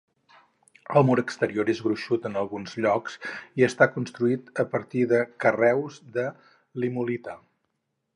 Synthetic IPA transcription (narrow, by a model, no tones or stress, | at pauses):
əlˠmɔɾəkst̪əɾioɾezɣɾuʃut̪ənəlˠɣunzʎɔksiəst̪akunst̪ɾuit̪əpəɾt̪iðəkərɛwzðə | limulit̪ə